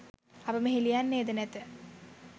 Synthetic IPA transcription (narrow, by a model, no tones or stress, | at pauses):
apəməɦilijanːeːd̪ənet̪ə